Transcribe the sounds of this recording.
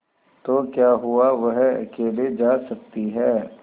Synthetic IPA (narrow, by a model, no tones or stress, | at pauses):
t̪oːkjaːɦuaʋɐɦɐ̰keːled͡ʒaːsɐk̚t̪iɦɛː